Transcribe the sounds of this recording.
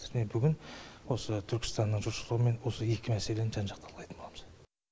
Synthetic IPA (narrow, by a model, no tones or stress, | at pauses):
nebʏɡʲɪnwo̞sət̪ʰʏɾkʲɪ̥st̪ɑnːəɴʒʊɾʃəlˠəʁəme̞nwo̞səje̞kʲɪmæse̞le̞nʒɑnʒɑqt̪ʰɑɾlˠʁɑjt̪ənboɑməz̥